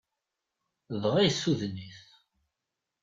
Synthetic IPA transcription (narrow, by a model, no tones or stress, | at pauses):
ðʁæjsːuðniθ